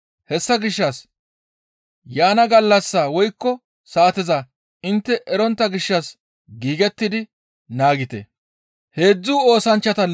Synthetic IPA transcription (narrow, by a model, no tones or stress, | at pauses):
hɛsːɐɡɪʃːɐs | jaːnɐɡɐlːɐsːaːwɔjkːɔ | saːt̪ɛza | ɪnt̪ːɛʔɛɾɔnt̪ːɐɡɪʃːɐs | ɡiːɡɛt̪ːɪd̪ɪ | naːɡɪt̪ɛ̰ | he̞ːd͡zːuːo̞ːsɐnt͡ʃːɐt̪ɐ